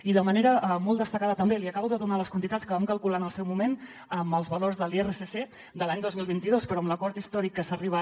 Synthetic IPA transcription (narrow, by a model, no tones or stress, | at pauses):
iðəməneɾəʔəmɔlˠd̪əst̪əkaðət̪əmbeliəkaβəwðəðunaləskwənt̪it̪at͡sskəβamkəlˠkulanəlˠsɛwmumen | əməlˠzβəlorzðəlˠierəsese | d̪əlaɲd̪ozmilˠβint̪iðospəɾɔəmləkɔɾt̪ist̪ɔɾikːəsəriβə